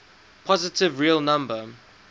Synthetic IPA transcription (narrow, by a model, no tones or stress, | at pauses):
pʰɔzɪtɪvɹiəlˠnãmbə